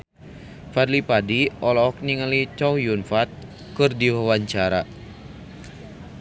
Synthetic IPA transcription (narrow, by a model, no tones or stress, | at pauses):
fad̪lipadiɔlɔɔk̚niŋəlit͡ʃɔwjunfat̪̚ | kɨrdiwawaɲt͡ʃaɾa̰